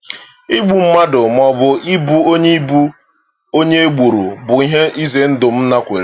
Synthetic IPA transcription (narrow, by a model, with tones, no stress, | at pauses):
i˦ɡ͡bu˨m̩˦ma˦dʊ˨m˦˨ɔ˨bʊ˨ʔi˦bu˦o˦ɲe˦i˦bu˦ | o˦ɲe˦e˦ɡ͡bu˨ɾṵ˨bʊ˨i˦ɦe˦i˦ze˨n̩˦dʊ˨m̩˦na˦kʷḛ˨ɾe˦